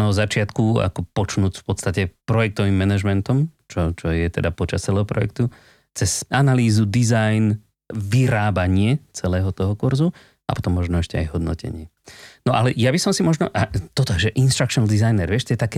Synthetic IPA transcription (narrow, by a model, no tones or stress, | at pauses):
nɔzat͡ʃɪat̪kua̰kɔpɔt͡ʃnuːcfpɔt̪st̪acɛpɾɔjɛk̚t̪ɔʋimːɛnaʒmɛnt̪ɔmt͡ʃɔt͡ʃɔjɛt̪ɛd̪apɔt͡ʃast͡sɛlɛːɦɔpɾɔ̰jɛ̰kt̪u | t͡sɛzanaliːzud̪izajn | ʋiɾaːbaɲɪɛt͡sɛlɛːɦɔt̪ɔɦɔkuɾzu | apɔ̥t̪ɔmːɔʒnɔɛʃcɛajɦɔd̪nɔ̰cɛ̰ɲɪɛ | nɔʔalɛjabisɔmsimɔʒnɔ̰ʔat̪ɔt̪ɔʒɛʔinʃt̪ɾakʃɔnd̪izajnɛɾʋɪɛʃt̪ɔjɛt̪akɛː